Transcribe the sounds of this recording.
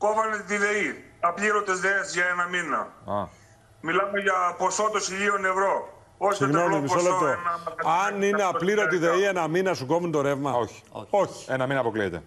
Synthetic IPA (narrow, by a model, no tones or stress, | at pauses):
ko̞vɐnet̪iðe̞i | ɐpʎiɾot̪ezðeesʝɐenɐminɐ̰ɐ̰ | milɐme̞ʝɐpo̞so̞t̪osiʎio̞nevɾo̞ | oçsiɣnno̞mimissolept̪oɐɐɐnineɐpliɾot̪̬iðe̞ienɐminɐsuɡo̞munt̪o̞ɾe̞vmɐoçi̥oçi̥enɐminɐpo̞kliet̪e̞̰